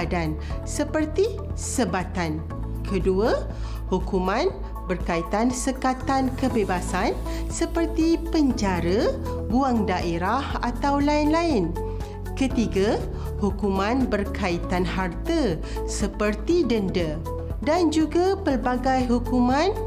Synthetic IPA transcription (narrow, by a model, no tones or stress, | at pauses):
dansəpərt̪i | səbat̪an | kʰədua | hukumãn | bərkait̪ansəkat̪ankəbebasan | səpərt̪ipəɲd͡ʒaɾə | buaŋdaʔeɾahat̪awlaɪnlaɪn | kət̪iɡa | hukumãnbərkait̪anɦart̪ə | səpərt̪idəndə | dand͡ʒuɡapəlbaɡajɦukumãn